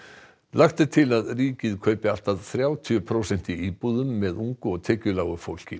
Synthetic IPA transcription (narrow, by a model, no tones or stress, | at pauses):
lʔaxt̪ɪt̪ʰɪlaðriːcɪðkʰœɥpɪal̥t̪aðθɾjaːwt̪ʰyʏpʰɾowsɛn̥t̪iiːpuðʏmːɛðuŋkʏɔɣt̪ʰɛːcʏlaːwʏfowl̥cɪ